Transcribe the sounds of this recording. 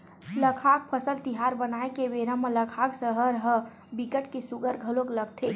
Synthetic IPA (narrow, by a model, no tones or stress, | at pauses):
ləkʰak̚pʰəsəlt̪iɦaɾbənaekebeɾəmələkʰaːksəɦəɾɦə | bikəʈkesuɡəɾɡʱəlõkləɡ̚t̪ʰe